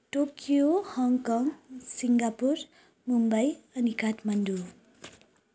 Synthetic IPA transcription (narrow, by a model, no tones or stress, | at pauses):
ʈokjohʌŋkʌŋsiŋɡapur | mumbʌjʌnikaʈmʌnd̪u